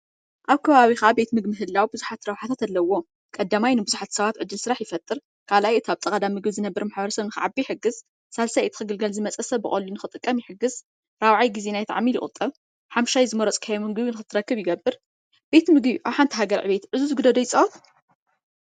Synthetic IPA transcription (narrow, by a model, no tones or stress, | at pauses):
ʔaβkʰɐβaβixɐʔabe̞t̪mɨɡmɨɦɨlːawbɨzuħat̪ɾawħat̪ʰat̪alːɐwːo̞ | kʼɐd̪ːamajnɨbɨzuħat̪sɐβat̪ʕɨd̪ːɨlsɨɾaħjɪfɐt̪ʼːɨɾ | kʰalʔajɨt̪aβt̪ʼɐkʼɐd̪amːɨɡβzɨnɐbːɨɾmaħbɐɾɐsɐβnɨxɨʕabiħɨɡːɨz | salsajɨt̪ʰɨ̥xɨɡɨlɡɐlzɨmɐt͡sʼɐsɐβːɨχʼolːunɨxɨt̪ʼɨkʼːɐmjɪħɨɡːɨz | ɾawʕajɡizenajt̪ʰa̰ʕmilɪχʼɨ̰t̪ʼːɨβ | ħamʃajzɨmɐɾɔt͡sʼkʰajomɨɡβinɨxɨt̪ʰːɨɾɐkːɨβjɪɡɐbːɨɾ | b̥e̞t̪mɨɡbiʔawħant̪ʰɦaɡɐɾʕɨβe̞t̪ʕɨzuzɨɡɨd̪ɐd̪ojt͡sʼɐt̪